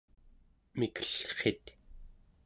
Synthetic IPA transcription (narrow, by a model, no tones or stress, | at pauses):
mikə̥ɬχet̪